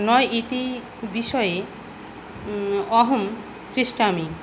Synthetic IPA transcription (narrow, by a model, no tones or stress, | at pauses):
nɔjʔit̪i | biʃɔje | ɔɦom | kɾiʃʈami